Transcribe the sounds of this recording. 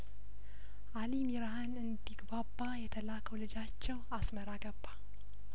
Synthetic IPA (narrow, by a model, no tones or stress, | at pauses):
ʔalimiɾahanɨnd̪iɡbabːajɛt̪ʰəlakʰəwlɨd͡ʒat͡ʃːɛwasməɾaɡəbːa